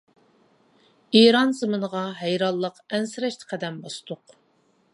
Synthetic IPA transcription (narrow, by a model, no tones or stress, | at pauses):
eɾɑnzɨmɨnəʁɑɦɛjɾɑlˠːəqɛnsɪɾɛʃt̪ʰə̥qʰæd̪ɛmbɑst̪ʊq